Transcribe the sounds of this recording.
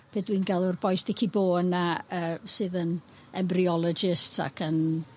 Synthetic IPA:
b̥edwiːnɡalˠʊrbɔjsd̥ɛkʰiboːnaəːsɨðən | ɛmbriɔlˠɔd͡ʒɪstsa̰kʰən

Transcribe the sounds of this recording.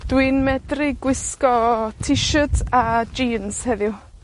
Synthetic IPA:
d̥wiːnmɛdrɪɡwɪskɔtʰɪʃətʰad͡ʒiːnshɛðɪʊ

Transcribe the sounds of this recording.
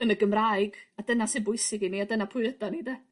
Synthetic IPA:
ənəɡəmrajɡadənasɪbʊɨsɪɡiniadənapʰʊɨədɔniːdə

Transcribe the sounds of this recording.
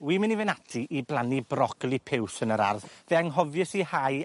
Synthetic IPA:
wiːmɪnivɛnatʰiʔiblˠanibrɔɡ̥lˠipʰɪwsənəɾa̰rðveaŋɦɔvjɨsihaj

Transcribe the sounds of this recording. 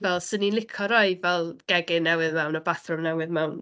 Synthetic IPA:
vɛlˠsəninlˠɪkʰɔɾɔɨvɛlˠɡ̥ɛɡɪnɛwɨðmɛwnɔbaθrʊmnɛwɨðmɛwn

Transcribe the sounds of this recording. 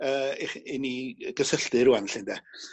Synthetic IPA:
əːɪχɪniɡ̥əsəɬd̥ɨɾuanɬɪndɛ

